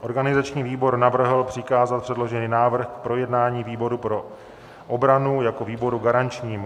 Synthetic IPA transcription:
ʔo̞ɾɡanɪzat͡ʃɲiːviːbo̞ɾnavr̩ɦl̩pr̝̥ɪkaːzat̪̚pr̥ɛdlo̞ʒɛniːnaːvr̩xkpɾo̞jɛdnaːɲiːviːbo̞ɾupɾo̞ | ʔobɾanujako̞viːbo̞ɾuɡaɾant͡ʃɲiːm

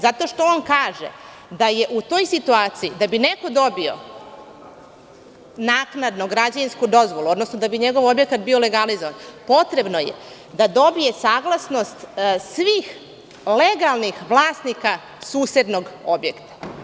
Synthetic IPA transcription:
zat̪o̞ʃt̪o̞onkaːʒḛ | d̪aje̞ʔut̪o̞jsit̪uaːt̪sijid̪abineko̞d̪o̞bio̞̰ | naːknad̪no̞ɡɾad͡ʑaʋinskud̪o̞zʋo̞lˠuo̞d̪nosnod̪abiɲe̞ɡo̞ʋo̞bjekat̪bio̞le̞ɡalizoʋanpo̞t̪ɾe̞bno̞jḛ | d̪ad̪o̞bije̞saːɡlˠasno̞st̪sʋiːx | leɡalˠnixʋlˠaːsnika | suːsed̪no̞ɡo̞bjekt̪ḁ

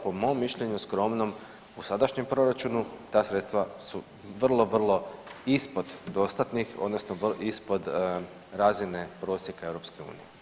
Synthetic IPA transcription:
po̞mo̞mːiʃʎe̞ɲuskɾo̞mno̞m | usad̪aʃɲe̞mpɾo̞ɾat͡ʃunut̪aːsɾet̪t̪ʋasu | ʋrlˠo̞ʋr̩lˠo̞ispo̞d̪d̪o̞st̪at̪nixo̞̰d̪nosnoʋispo̞d̪ | ɾaːzine̞pɾo̞ːsjekae̞ʋɾo̞pske̞ṵːnḭje

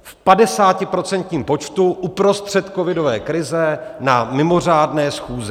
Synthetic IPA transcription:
fpadɛsaːcɪpɾo̞t͡sɛnt̪ɲiːmpo̞t͡ʃt̪uʔupɾo̞st̪r̝̥ɛt̪kovɪdo̞vɛːkɾɪzɛnamɪmo̞r̝aːdnɛːsxuːzɛ

